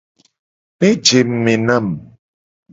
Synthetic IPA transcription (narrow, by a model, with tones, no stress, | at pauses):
me˦d͡ʒe˨m̩˨me˨na˦˨m